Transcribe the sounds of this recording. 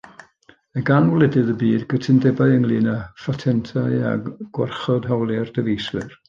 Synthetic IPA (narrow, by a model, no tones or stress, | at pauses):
əɡanwlˠɛdɨðəbiːdɡətʰɪndɛbaɨəŋlˠiːnafatʰɛntʰaɨa̰ɡ̥warχɔdɦawlˠɛrd̥əvejswɨr